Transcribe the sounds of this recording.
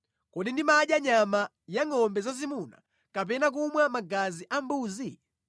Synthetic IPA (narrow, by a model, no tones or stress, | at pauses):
kɔɗindimaɗjaɲama | jaŋɔmbɛzazimuna̰ | kap̬ɛnak̬umwamaɡaziʔambuːzi